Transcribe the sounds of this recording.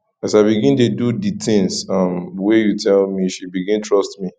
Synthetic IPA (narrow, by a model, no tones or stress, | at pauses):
asaɪbiɡĩndeduditɪ̃ŋsʌmwejutʰɛlmiʃibiɡĩntʰɹɔstmi